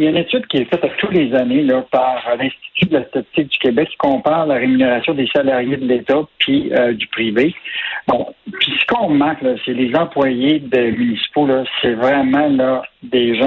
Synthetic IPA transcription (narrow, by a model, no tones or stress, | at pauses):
jaynet̪yd̪̚kʲiɛfɛt̪at̪ut̪lezanelʌpaʁlɛ̃st̪i̥t̪syd̪əlast̪at͡sɪk̚d̪ykʲebɛkːi̥kɔ̃paːʁlaʁemyneʁasjɔ̃d̪esalaʁjed̪əlet̪apʰiød̪ypʁivebɔ̃pisə̥kɔ̃mãklʌselezɑ̃plwajed̪emynisi̥polʌsɛvʁɛmɑ̃lʌd̪eʒã